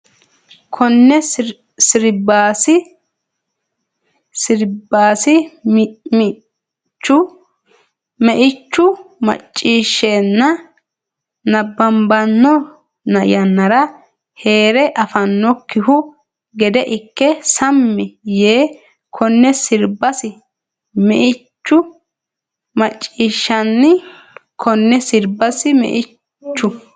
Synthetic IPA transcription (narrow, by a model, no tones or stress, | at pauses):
kʰɔnːɛ | sɪɾbaːsɪ | sɪɾbːaːsɪ | t͡ʃːʊ | mɛʔɪt͡ʃːʊmɐ̰t͡ʃʼːiːʃːeːnːɐ | nɐbːɐmbɐnːɔ | nɐ̰jɐnːɐɾɐ | he̞ːɾɛʔɐfɐnːɔkːɪɦʊ | ɡɛd̪ɛʔɪkːɛsɐmːɪjeː | kʰɔnːɛsɪɾbɐsɪ | mɛʔɪt͡ʃːʊ | mɐt͡ʃʼːiːʃːɐnːɪ | kʰɔnːɛsɪɾbɐsɪmɛ̰ʔɪ | t͡ʃːʊ